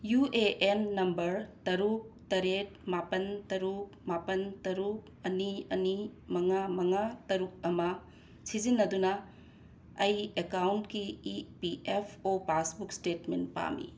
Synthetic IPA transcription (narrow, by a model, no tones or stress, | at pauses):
jueʔenːɐmbɐɾtɐɾuk̚tɐɾet̚mapɐntɐɾuk̚mapɐntɐɾuk̚ɐniɐnimɐŋamɐŋatɐɾuk̚ɐmɐ | sizinːɐdunɐ | ɐjekawntkiipiʔepʰopasbuk̚stetmenpa̰mḭ